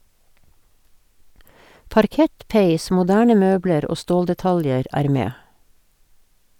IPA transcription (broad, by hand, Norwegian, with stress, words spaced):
pɑɾˈkɛt ˈpæɪs mʊˈdæːɳə ˈmøːbləɾ ˈoː ˈstoːldɛˌtɑljəɾ ˈæːɾ ˈmeː